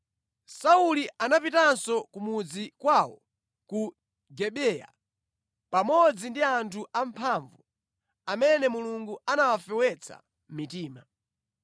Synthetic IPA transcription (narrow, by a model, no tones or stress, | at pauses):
sauliʔanapitansɔkumud͡zikwawɔ | ku | ɡɛɓɛja̰ | pamɔd͡zindiantʰuʔampʰaɱvu | amɛnɛmuluŋɡuanawafɛwɛt͡sʰa̰ | m̩mitiːma